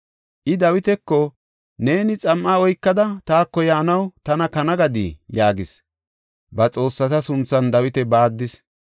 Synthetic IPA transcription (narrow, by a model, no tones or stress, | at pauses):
ʔɪd̪ɐwɪt̪ɛkːɔ | ne̞ːnɪt͡sʼɐmʔaːɔjkːɐd̪ɐt̪aːkːɔjaːnɐwt̪ɐnɐkɐnɐɡɐd̪ijaːɡɪs | bɐt͡sʼo̞ːsːɐt̪ɐsʊnt͡sːɐnd̪ɐwɪt̪ɛbaːd̪ːɪs